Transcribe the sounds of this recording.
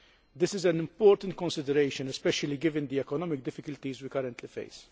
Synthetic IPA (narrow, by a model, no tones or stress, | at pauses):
d̪ɪsɪzɛnɪ̃mpɔːɾt̪ɐ̃nt̪kɔ̃nsɪd̪ɛɾejʃə̃nɛspɛʃɐliɡɪvɪ̃nd̪iɛkɔnɔmɪk̚d̪ɪfɪkʊlt̪izwikɐɾə̃nt̪lifḛjs